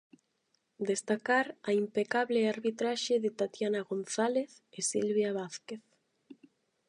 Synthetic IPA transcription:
d̪est̪akaɾaimpekaβleaɾβit̪ɾaʃeðɪt̪at̪janaɣon̟θaleθ | esilβjaβaθkeθ

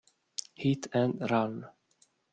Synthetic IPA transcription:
hit̪ʰɛnɾan

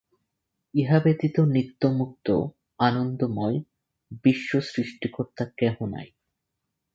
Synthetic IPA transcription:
iɦabet̪it̪onit̪ːomuk̚t̪o̰ | anond̪omɔe | biʃːosɾiʃʈikoɾt̪akɛɦona̰j

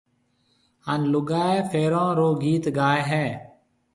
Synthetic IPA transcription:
anlʊɡaːeːfʰeːɾãːɾoːɡiːt̪ɡaːeɦɛː

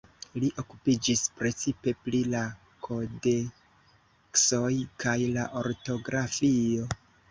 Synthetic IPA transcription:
liʔo̞kupid͡ʒispɾe̞t͡sipe̞plila | kʰo̞de | kso̞jkajlaʔo̞ɾto̞ɡɾafio̞

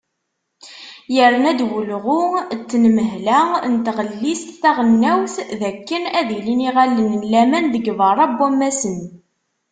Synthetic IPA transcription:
jəɾənæd̪wəlʁut͡sːnməɦlænt̪ʁəlːist̪θæʁənːæwθðækːənæðiliniʁælːənənlæmænðəɡvəɾˤːɑbæmːæsən

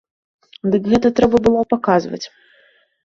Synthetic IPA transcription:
d̪ɨkɣɛt̪ɐt̪ɾɛbɐbɨlˠɔpakazvɐ̰t͡sʲ

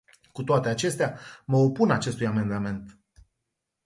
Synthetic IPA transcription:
kut̪oat̪e̞at͡ʃe̞st̪eaməopunat͡ʃe̞st̪ujame̞nd̪ame̞nt̪

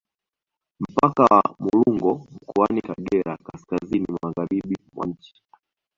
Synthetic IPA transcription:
m̩pakawamuluŋɡɔm̩kɔwanikaɡɛɾakaskazinimaɣaɾiɓimwʔa̰nɲ̩t͡ʃi̥

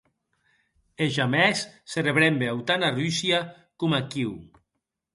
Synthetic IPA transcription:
eʒamɛsːereβɾɛmbeawt̪anarysja | komakiw

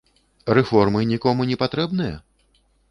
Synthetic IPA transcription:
rɛfɔrmɨnʲikɔmunʲɛpat̪ɾɛbn̪ɨjɐ̰

